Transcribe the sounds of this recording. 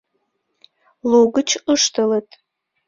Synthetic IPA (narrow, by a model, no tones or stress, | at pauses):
loɡɨt͡ʃʰɨʂtʰɨlətʰʼ